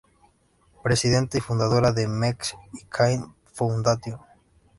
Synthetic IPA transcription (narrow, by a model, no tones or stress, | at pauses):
pɾesiðent̪eifund̪aðoɾaðemeksikʰajn | fownd̪at̪jo